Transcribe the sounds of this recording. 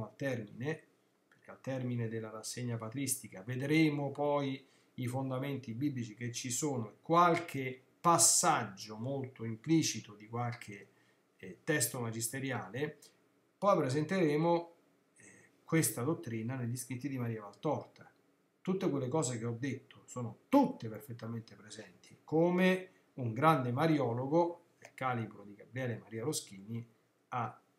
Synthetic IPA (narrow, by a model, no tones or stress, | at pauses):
alt̪ɛrmine | perk̟ealt̪ɛrmined̪elːaɾasːeɲːapat̪ɾist̪ikaved̪ɾeːmopɔj | ifond̪ament̪ibiblit͡ʃik̟et͡ʃːisoːnoekːwalk̟ʰe | pasːad͡ʒːomolt̪oimpliːt͡ʃit̪od̪ikwalkʰe | t̪ːɛst̪omad͡ʒist̪eɾjaːle | pɔjpɾezent̪eɾeːmo | kwest̪ad̪ot̪ːɾiːnaneʎːiskɾit̪ːid̪imaɾiːavalt̪ɔrt̪a | t̪ut̪ːekwelːekɔːzek̟eɔd̪ːet̪ːosoːnot̪ut̪ːeperfet̪ːament̪epɾezɛnt̪ʰi̥koːme | uŋɡɾand̪emaɾjɔːloɡod̪elkaːlibɾod̪iɡabɾijɛːlemaɾiːalosk̟iːni | a